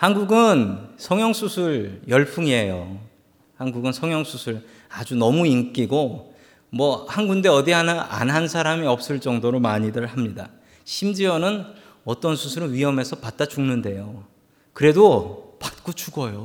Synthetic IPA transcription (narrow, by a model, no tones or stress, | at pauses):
hanɡuɡɯnsʰʌŋjʌŋsʰusʰuɭjʌɭpʰuŋiɦejo | hanɡuɡɯnsʰʌŋjʌŋsʰusʰuɭ | ad͡ʑunʌmuink͈iɡo | mwʌhanɡunde̞ʌdiɦanʔa̰nɦansʰaɾamiʌp̚s͈ɯɭt͡ɕ͈ʌŋdoɾomaɲidɯɭhamɲida̰ | ɕʰimd͡ʑiʌnɯn | ʌt͈ʌnsʰusʰuɾɯnɥiɦʌme̞sʰʌpat̚t͈at͡ɕuŋnɯnde̞jo | kɯɾe̞dopat̚k͈ot͡ɕuɡʌjo